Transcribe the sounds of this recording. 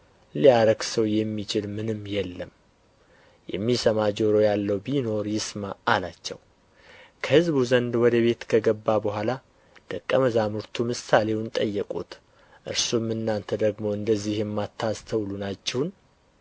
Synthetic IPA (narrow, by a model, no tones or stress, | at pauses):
liaɾəɡsəwjɛmːit͡ʃɪlmɨnɨmːjɛlːəm | jɛ̰mːisəmad͡ʒoɾo̞jalːəwbino̞ɾjɪsmaːlat͡ʃːɛ̰w | kʰəhɨzbuzənd̪wɔd̪əβe̞t̪kʰəɡəbːabəɦʷala | d̪̥əkʼːəməzamuɾt̪ʰumɨsale̞wnt̪ʼəjːɛkʼṵt̪ | ʔɨ̰ɾsumɨnːant̪ʰəd̪əɡmo̞ɨnd̪əzːihjɛmːat̪ʰːast̪ʰəwlunat͡ʃːɛhn